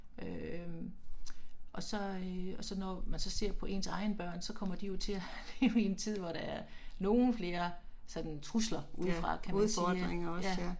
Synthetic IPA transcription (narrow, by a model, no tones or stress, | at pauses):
ø | ʔɒ̽sɒ̽øɒ̽sɒ̽nɒmænsɒ̽se̝ɐ̰pʰɒ̽ʔe̝̰ːnsɑ̈ɪnb̥ɶɐ̰nsɒ̽kʰɒ̽m̰ɐd̥ijo̝t͡sʰe̝æle̝ːʊəe̝nt͡sʰið̰ˠʋɒɾ̥ɑ̈æɐno̝ːn̩fle̝ːɐsɒ̽d̥n̩t͡sʰʁuslɐʔuð̰ˠffʁɑ̈kʰæmðˠsɒd̥neŋɒjæ